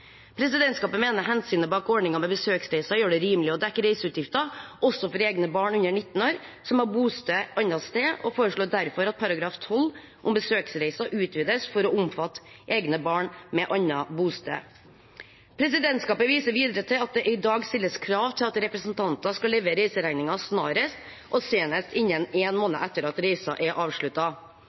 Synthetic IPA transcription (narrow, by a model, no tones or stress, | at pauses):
pʰɾɛsɪd̪ɛnt̪skɑːpəmeːnəɾɦɛnsyːnəbɑːkɔɖɳnɪŋɑmɛbəsøːksɾæɪsɑjøːɖɛɾiːmlɪɔd̪ækːəɾæɪsəʉːt̪jɪft̪ɑʔɔsːɔfɔɾeːɡnəbɑːɳʉɲːəɳɪt̪ːn̩oːɾsɔmɑbuːst̪øːʔɑnɑst̪eːʔɔ̰foːɾəʂɭoːd̪æɾfɔɾɑt̪̚pʰɑɾɑɡɾɑːft̪ʰɔl | ʔʊmbəsøːksɾæɪsɑʔʉːt̪ʰʋiːd̪əsfɔɾɔʊmfɑt̪ːʔeːɡnəbɑːɳmɛʔɑnːɑbuːst̪ø̰ː | pʰɾɛsɪd̪ɛnt̪skɑːpəʋiːsəɾʋiːd̪ɾət̪ʰɪlɑt̪̚d̪ɛʔɪd̪ɑːɡst̪ɪlːəskʰɾɑːʋt̪ʰɪlɑt̪ɾɛpɾəsn̩t̪ʰɑnt̪ɑskɑleːʋəɾɛɪsəɾæɪnɪŋɑsnɑːɾəst̪ | ʔɔseːnəst̪ɪɲːəneːnmoːnə̰ʔɛt̪ːəɾɑt̪ɾɛɪsɑʔɛʔɑːʋʂɭʉt̪ːɑ